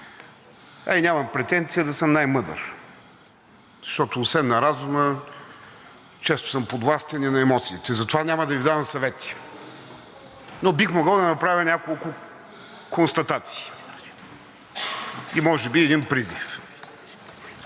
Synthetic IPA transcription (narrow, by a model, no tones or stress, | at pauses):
a̰jnʲamɐmpɾɛt̪ɛnt̪sijəd̪ɐsəmnajmɤd̪ə̰ɾ | zʃt̪ɔt̪ʊːsvɛnnːɐɾazumə | t͡ʃɛst̪ʊ̥səmpod̪vlˠast̪ɛninɐɛmɔt̪siːt̪ɛzɐt̪ovanʲaməd̪ɐvid̪avɐmsɐvɛt̪i̥ | nobixmoɡəlˠd̪ɐnɐpɾavʲənʲakolˠkʊ | konst̪ɐt̪at̪si̥ː | imɔʒɛbiɛd̪inpɾizif